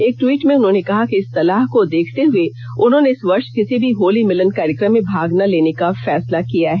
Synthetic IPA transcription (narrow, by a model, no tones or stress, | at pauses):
eːk̚ʈwiːʈmẽʊnɦõːnekɐɦakeɪsːɐlaːɦkod̪eːkʰt̪eɦʊe | ʊnɦõːneɪsʋɐɾʃkɪsibʱiɦoːlimɪlənkaːɾəkɾə̃mːẽbʱaːɡnaleːnekafɛːslakijaɦɛː